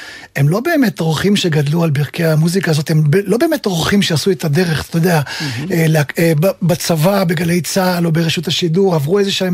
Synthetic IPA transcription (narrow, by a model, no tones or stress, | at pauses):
e̞mlo̞be̞ːme̞tʁoχimʃeɡad̪lualbiʁkeamuzikaːzo̞t̪embelo̞be̞ːme̞tʁoχimʃeasuet̪ad̪e̞ʁe̞χt̪ojd̪eaeleakebbat͡savabiɡale̞jt͡saːlo̞beʁeʃuthaʃiduʁavʁuezeʃ